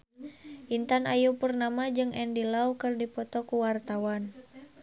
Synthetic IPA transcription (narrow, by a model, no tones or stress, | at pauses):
ʔint̪anajupərnamad͡ʒɨŋʔɛndilaukɨrdipɔt̪ɔkuwart̪awan